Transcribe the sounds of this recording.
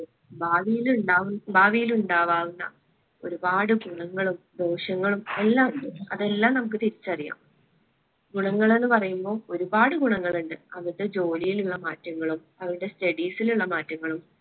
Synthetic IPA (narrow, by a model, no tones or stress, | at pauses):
baːʋijiluɳɖaːʋunbaːʋijiluɳɖaːʋaːʋunːɐ̰ | o̞ɾubaːɽɨɡuɳɐŋːɐɭumd̪o̞ːɕɐŋːɐɭume̞lːaːmɐðe̞lːaːmnɐmukːɨt̪iɾit͡ɕːɐrija̰ːm | ɡuɳɐŋːɐɭe̞nːɨpɐrɐjumbo̞ːoɾubaːɽɨɡuɳɐŋːɐɭuɳɖɨɐʋɐɾuɽe̞d͡ʑo̞ːlijiluɭːɐmaːtːɐŋːɐɭum | ɐʋɐɾuɽe̞stɐɽiːsiluɭːɐmaːtːɐŋːɐɭum